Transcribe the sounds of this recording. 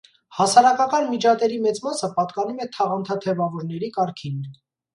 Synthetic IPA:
hɑsɑɾɑkɑkɑnmid͡ʒɑt̪ɛɾimɛt͡smɑsəpɑt̪kɑnumɛt̪ʰɑʁɑnt̪ʰɑt̪ʰɛvɑvɔɾnɛɾikɑɾkʰin

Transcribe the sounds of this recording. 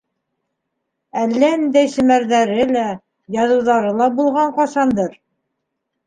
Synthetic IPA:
ælːæɘ̆nd̪æjʃɘ̆mæɾðæɾɘlæ | jɑðɤ̆wðɑɾɤlˠɑbulˠʁɑɴqɑʃɑnd̪ɤɾ

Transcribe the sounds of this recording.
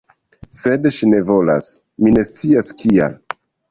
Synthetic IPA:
se̞dʃine̞vo̞la̰s | mine̞st͡siaskʰia̰l

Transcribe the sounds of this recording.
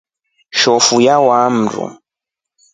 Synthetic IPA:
ʃɔfujawam̩ɾṵ

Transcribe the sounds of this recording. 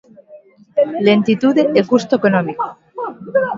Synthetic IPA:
lent̪it̪ud̪eekust̪oekonɔmiko̥

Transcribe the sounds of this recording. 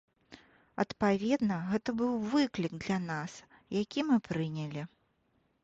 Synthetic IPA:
ɐ̰t̪pavʲɛd̪nɐɣɛt̪ɐbɨwvɨklʲikd̪lʲanas | jakʲimɨpɾɨnʲɐlʲi

